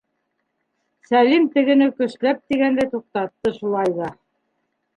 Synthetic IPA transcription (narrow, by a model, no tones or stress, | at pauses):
sælimt̪ɘ̆ɡɘ̆nɘkɵ̆slæp̚t̪iɡænd̪æjt̪uq̚t̪ɑt̪ːɤʃulˠɑjðɑ